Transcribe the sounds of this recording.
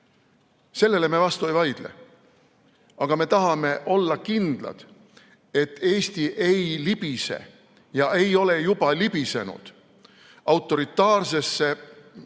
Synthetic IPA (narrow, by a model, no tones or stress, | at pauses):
se̞lːe̞le̞me̞vɑst̪uejvɑjd̪̥lḛ | ɑɡ̥ɑme̞t̪ɑɦɑme̞ʔo̞lːɑkind̪̥lɑ̰d̪̥ | e̞t̪ːe̞ːst̪iʔe̞jlib̥ise̞̰ | jɑʔe̞jo̞le̞jub̥ɑlib̥ise̞nṵd̪̥ | ɑwt̪ːˑo̞ɾit̪ːˑɑːrse̞sːe̞